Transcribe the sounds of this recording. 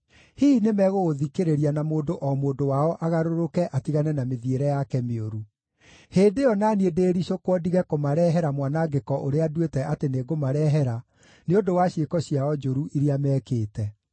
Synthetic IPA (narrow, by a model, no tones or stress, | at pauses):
hiːnemɛɣoɣoðikeɾeɾianamoːndoʔɔmoːdowaɔʔaɣaɾoɾokɛʔatiɣanɛnameðieɾɛjakɛmeoɾu | heːndeɔnaːniedeːɾiɕokwɔdiɣɛkomaɾɛɦɛɾamwanaɡekɔʔoɾeadwetɛʔateneɡomaɾɛɦɛɾa | neondowaɕiekɔɕiaɔd͡ʒoɾuʔiɾeamɛkeːtɛ